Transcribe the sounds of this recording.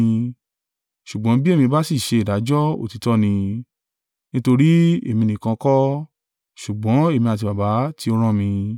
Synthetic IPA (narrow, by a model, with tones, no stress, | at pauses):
ʃu˨ɡ͡bɔ̃˨˦bi˦e˦˨mĩ˧ba˦si˦˨ʃe˧i˨da˨˦d͡ʒɔ˦o̰˦˨ti˨˧tɔ˦nĩ˧ | nĩ˦to˧ɾi˦e˦˨mĩ˧nĩ˨kã˧kɔ˦ | ʃu˨ɡ͡bɔ̃˨˦e˦˨mĩ˧a˨t̬i˧ba˨ba˨˦ti˧˦o˧ɾ̃ã˦mĩ˧